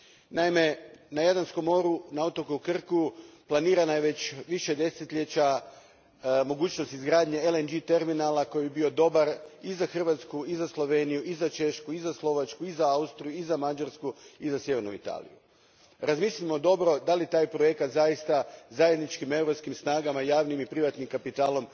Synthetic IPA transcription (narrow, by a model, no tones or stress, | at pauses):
naime̞najad̪ansko̞mːo̞ːɾunaot̪okuukr̩kuplˠaniːɾanajeʋe̞t͡ɕʋiʃe̞d̪e̞set̪ʎe̞t͡ɕa | mo̞ɡuːt͡ɕno̞st̪izɡɾaːd̪ɲeelend͡ʒit̪e̞ɾminalˠako̞jbibio̞d̪o̞baɾizaxr̩ʋat̪skuizaslˠo̞ʋe̞nijuʔizat͡ʃe̞ʃkuizaslˠo̞ʋat͡ʃkuizaaust̪ɾijuizamad͡ʒaɾskuizasje̞ʋe̞ɾnṵḭt̪a̰ːlḭju | ɾazmislʲimo̞d̪o̞bɾo̞d̪alit̪aːjpɾoje̞kat̪zajist̪azajed̪nit͡ʃkime̞wɾo̞pskimsnaːɡamajaːʋnimipɾiʋat̪nimkapit̪aːlo̞m